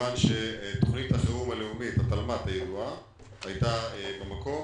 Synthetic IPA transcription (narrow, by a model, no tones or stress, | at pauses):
anʃet̪o̞χnit̪haχeʁumale̞umithat̪almat̪hajed̪ua | hajt̪aebemako̞m